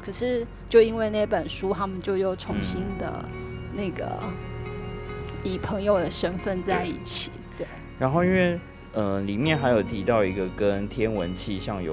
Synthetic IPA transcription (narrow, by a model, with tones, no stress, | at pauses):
kʰə˨˩ʂɻ̩˥˧ | t͡ɕjo˥˧ʊi˥nwe˥˧ɪna˥˩˥pə˨˩nʂu˥t̪ʰa˥mə˨nt͡ɕjo˥˧ʊjo˥˩ʊʈ͡ʂʰʊ˧˥ŋɕi˥nd̪ə̰˨na˥˩ɪɡə̰˩ | i˨˩pʰɤ˧˥ŋjo˨˩ʊd̪ə˩ʂə˥nfə˥˧nt͡sa˥˧ɪḭ˥˩t͡ɕʰi˨˩˦t̪we˥˩ɪ | ɻa˧˦nxo˥˩ʊi˥nwe˥˩ɪ | ə˧li˨˩mjɛ˥˨nxa˧˥ɪjo˨˩t̪ʰi˧˥t̪ɑ˥˩ʊi˧˥ɡə˨kə˦nt̪ʰjɛ˦nwə˧˦nt͡ɕʰi˥˧ɕjɑ˥˩ŋjo̰˨˩